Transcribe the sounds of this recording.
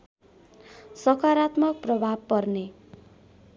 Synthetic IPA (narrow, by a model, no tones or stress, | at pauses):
sʌkaɾat̪mʌk̚prʌbʱab̚pʌrne